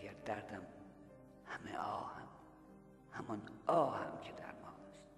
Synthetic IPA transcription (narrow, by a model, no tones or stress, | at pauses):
ɡæɾd̪æɾd̪æm | hæmḛʔɒ̰ːhæm | hæmɒnɒːhæ̰mcʰed̪æ̰ɾmɒːlest̪